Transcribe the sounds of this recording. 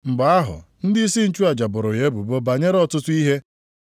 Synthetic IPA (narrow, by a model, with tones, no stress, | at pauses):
ŋ͡m̩˨ɡ͡ba˨a˦ɦʊ̰˨n̩˦dɪ˦i˦si˦n̩˦t͡ʃu˦a˨d͡ʒa˨bʊ˨ɾʊ˨ɣe˦bu˨bo˦ba˨ɲe˦ɾɔ˨tʊ˦tʊ˦i˦ɦe˦